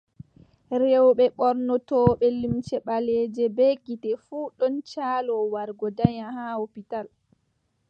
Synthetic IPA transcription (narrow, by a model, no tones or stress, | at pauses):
ɾewɓɛɓɔɾnɔtɔːɓɛlimt͡ʃɛɓalɛːd͡ʒɛbɛɡitɛfuːɗɔnt͡ʃaːlɔwaɾɡɔdaɲahaopital